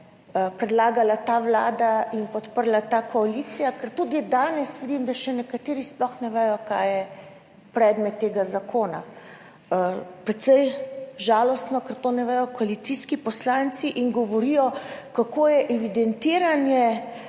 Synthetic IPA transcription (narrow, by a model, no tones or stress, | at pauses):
pɾɛd̪laːɡalat̪aːʋlaːd̪ainpɔt̪pəɾlat̪aːkɔalit̪sijakɛɾt̪ud̪id̪aːnɛsʋid̪imd̪aʃɛnɛkat̪eːɾisplɔxnɛʋɛjɔkaːjjɛ | pɾɛːd̪mɛt̪ːeːɡazakʰoːna̰ | pɾɛt̪sɛjʒaːlɔst̪nɔkɛɾt̪onɛʋɛjɔkɔalit̪siskipɔslaːnt̪siʔiŋɡɔʋɔɾijɔkakoːjɛʔɛʋid̪ɛnt̪iːɾanjɛ